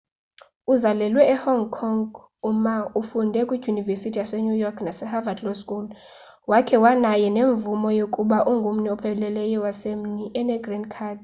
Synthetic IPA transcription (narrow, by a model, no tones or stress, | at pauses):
uzalɛlwɛːhɔŋɡkʰɔŋɡ | umaufundʱɛkʼwi̥univesitʰijasɛɲujɔkʰnasɛhavadlɔskʼul | wakʰɛwanajɛneɱvumɔjokʼuɓaʔuŋɡʱum̩nɛɔpʰɛlɛlɛjɔwasem̩niʔɛnɛɡrinkʰaːd